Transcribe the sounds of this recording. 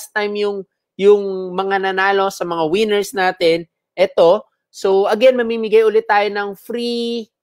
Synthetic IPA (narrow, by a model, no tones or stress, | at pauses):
st̪ajmjʊŋ | jʊŋmɐŋanɐnaːlo̞sɐmɐŋawɪnɛɹsnaːt̪ɛn | ʔɛt̪o̞ | sowʔɐɡɛnmɐmimɪɡajʔʊlɪt̪ːaːjo̞nɐŋfɾi